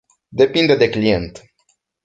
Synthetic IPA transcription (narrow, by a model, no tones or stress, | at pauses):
d̪e̞pind̪ed̪e̞klie̞nt̪